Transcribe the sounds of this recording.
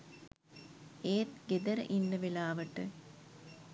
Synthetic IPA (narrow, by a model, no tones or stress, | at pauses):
eːt̪ɡed̪ɐɾə̰ʔinːəʋilaːʋəʈɨ